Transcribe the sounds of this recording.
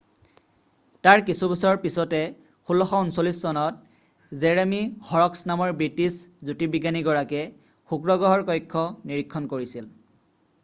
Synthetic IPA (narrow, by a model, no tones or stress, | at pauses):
taɹkisubɛsɔɹpisɔtɛ | xulɔxɔunsolisːɔnɔt̚ | zeɹemihɔɹɔksnamɔɹbɹitiszutibiɡaniɡɔɹakɛ | xukɹɔɡɔɦɔɹkɔjkʰːɔniɹikʰːɔnkoɹisil